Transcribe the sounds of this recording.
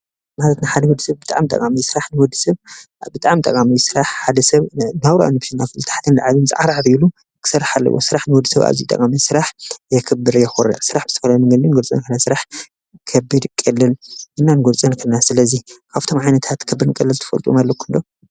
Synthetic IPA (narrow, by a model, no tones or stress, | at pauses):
malɐt̪naħad̪ɐwɔd̪ːɨsɐβbɨt̪ʼa̰ʕmt̪ʼɐ̰kʼamijsɨɾaħnɨwɔd̪ɨsɐβ | bɨt̪ʼaʕmt̪ʼɐkʼamijsɨɾaħħad̪ɐsɐβnawɾa̰nopʃinafɨlt̪ʰḁħt̪ʰɐnlaʕaβɨnzʼɨ̰ʔaɾʕaɾilu | kʰɨ̥sɐraħalːɐ̰wo̰sɨɾaħnɨwɔd̪ɨsɐβa̰βzḭt̪ʼɐ̰kʼamisɨɾaħjɛkʰɨbːɨɾjɛxoɾa̰sɨɾaħbɨ̥t̪ʰɐfɐlamɨŋɡɐlinɡolt͡sʼɐ̰nkʰɨnasɨɾaħ | kʰɐbːɨd̪kʼɐlːɨlʔɨnːanɨɡolt͡sʼɐnkʰɨnasɨlɐzikʰaβt̪ʰo̞mʕajnɐt̪ʰat̪kʰɐbːɨɾɨnkʼɐlːɨlt̪ʰɨ̥fɐ̰lt̪ʼṵmalːɐkʰɨnd̪o